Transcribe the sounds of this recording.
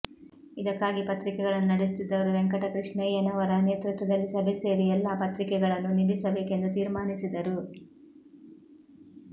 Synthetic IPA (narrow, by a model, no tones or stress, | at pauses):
id̪ɐkːaːɡipɐt̪ɾikɛɡɐɭɐnːunɐɽes̬t̪id̪ːɐʋɐɾuʋɛŋkɐʈɐkɾiʂɳɐjɐnɐʋɐɾɐne̞ːt̪ɾut̪ʋɐd̪ɐlːisɐbʱɛse̞ːɾijɛlːɐpɐt̪ɾikɛɡɐɭɐnːunibisɐbe̞ːke̞nd̪ut̪iːɾmaːɳisid̪ɐɾu